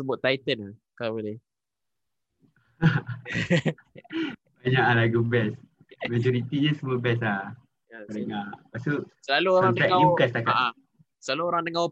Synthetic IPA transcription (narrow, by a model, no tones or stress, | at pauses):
səbʊt̪ːait̪ənakabəle | baɲaʔalaɡubɛs | mad͡ʒɔɾit̪iɲasəmɔbɛsla | jaəɾəŋaʔpasusəlaluoɾaŋkɛʔaukast̪akaʔa | səlaluoɾaŋdəŋaw